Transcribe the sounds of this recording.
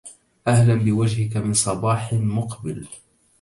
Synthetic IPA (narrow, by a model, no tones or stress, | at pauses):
ʔahlambɪwad͡ʒhɪkamɪnsˤɑbɑːħmʊqbɪl